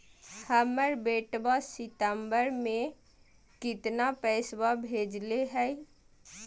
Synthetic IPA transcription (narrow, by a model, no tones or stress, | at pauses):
həməɾbeʈbasɪt̪əmbəɾmẽ | kɪt̪napəɪswabʱeːd͡ʒleɦɛj